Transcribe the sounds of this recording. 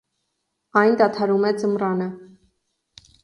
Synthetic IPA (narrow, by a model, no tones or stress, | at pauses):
ɑjnd̪ɑt̪ʰɑɾumɛd͡zəmrɑnə